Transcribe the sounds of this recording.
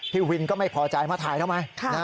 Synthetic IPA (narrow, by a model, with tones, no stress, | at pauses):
t̪ʰiː˥˩wi˧nkɔː˥˩ma˥˩jpʰɔː˧t͡ɕa˧jmaː˥˩t̪ʰaː˧˩j̪ʰa˥˩wma˧jkʰa˥na˦˥